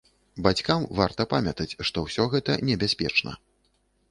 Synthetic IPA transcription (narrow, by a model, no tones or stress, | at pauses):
bat͡sʲkamvart̪ɐpamʲɐt̪ɐt͡sʲʂt̪ɔwsʲɔɣɛt̪ɐnʲɛbʲasʲpʲɛ̰t͡ʂnɐ̰